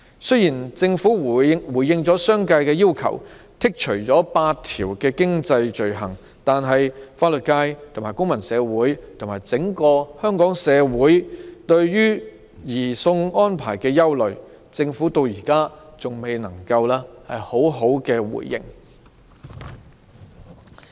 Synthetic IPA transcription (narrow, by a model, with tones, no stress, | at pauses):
sɵ˥jiː˨˩nt͡sɪ˧ŋfuː˨˥wu˨˩ŋwuː˨˩jjɪ˧ŋt͡sɔː˨˥sœː˥ŋka˧jkɛː˧jiː˥wkʰɐ̰˨˩w | t̪ʰɪ˥k̚t͡ʃʰɵ˨˩ɥt͡sɔː˨˥paː˧t̚t̪ʰiː˨˩wkɛː˧kɪ˥ŋt͡sɐ˧jt͡ʃɵ˨ɥɦɐ̰˨˩ŋ | t̪aː˨nɦɐ˨jfaː˧t̚lɵ˨t̚kaː˧jt̪ʰo˨˩maː˨˩jkʊ˥ŋmɐ˨˩nsɛː˨˧wuː˨˥jt̪ʰʊ˨˩ŋmaː˨˩jt͡sɪ˨˥ŋkɔː˧hœː˥ŋkɔː˨˥ŋsɛː˨˧wuː˨˥jt̪ɵ˧ɥjyː˥ | jiː˨˩sʊ˧ŋɔː˥npʰa̰ː˨˩jkɛː˧jɐ˥wlɵ˨˩ɥ | t͡sɪ˧ŋfuː˨˥t̪o˧wjiː˨˩kaː˥t͡sʊ˨ŋme˨˧jnɐ˨˩ŋkɐ˧wlaː˥hɐ˨jho˨˥wɦo˨˥wkɛː˧wṵ˨˩jːɪ̰˧˥ŋ